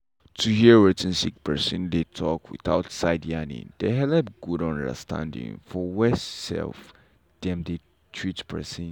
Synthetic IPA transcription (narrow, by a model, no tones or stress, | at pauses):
tʰuhiɹitə̃nsik̚pʰɛsə̃ndetʰɔkwḭθaʊtsaɪdianḭ̃deɦɛlɛp̚ɡ̥uɾãndə̰stã̰ndḭ̃ŋfɔwɛsɛ̰lf | d̥ɛ̃mde | tʰɹitpʰɛ̰sĩn